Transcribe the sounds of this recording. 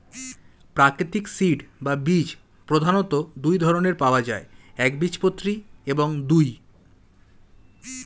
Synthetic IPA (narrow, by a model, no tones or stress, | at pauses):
pɾakɾit̪iksiɖbabid͡ʑ | pɾod̪ʱanot̪od̪ujd̪ʱɔɾoneɾpaoad͡ʑaeɛkbit͡ɕpot̪ːɾieboŋd̪uj